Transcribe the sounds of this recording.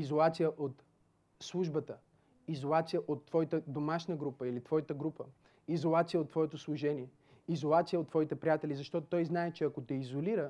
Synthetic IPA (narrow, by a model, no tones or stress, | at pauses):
izolˠat̪sijəʔot̪ | slˠuʒbət̪ə | izolˠat̪sijəʔot̪ːvɔjt̪əd̪omaʃnəɡɾupəilit̪vɔjit̪əɡɾupə | izolˠat̪sijəot̪ːvɔɛt̪oslˠuʒɛniɛ | izolˠat̪sijəot̪ːvɔit̪ɛpɾʲijat̪ɛlizɐʃt̪ɔt̪ot̪ɔjznaɛt͡ʃɛɐkot̪ɛizoliɾə